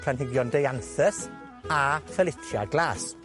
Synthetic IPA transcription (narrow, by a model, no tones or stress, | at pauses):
kʰanɦɪɡjɔndejanθəs | afəlɪtʰja̰ɡlˠaːs